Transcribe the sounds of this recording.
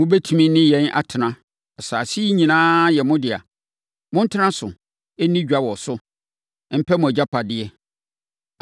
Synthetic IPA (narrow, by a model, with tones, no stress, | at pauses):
mʊ̃˦bɛ˦tʰu˨mĩ˦nɪ̃˦jɛ̃˦nʔa̰˨tʰɪ˨nã˦ | ɛ˨saː˨si˦i˦ɲĩ˨nãː˦jɛ˨mʊ̃˦dɪ˨a̰˨ | mʊ̃˦n̩˦tʰɪ˦nã˦sʊ̰˨ | ɛ˦nĩ˦d͡ʑᶣa˦wɔ˨sʊ˦ | m̩˦pʰɛ˦mʊ̃˨æ˨d͡ʑa˦pʰa˨dɪ˦ɛ˦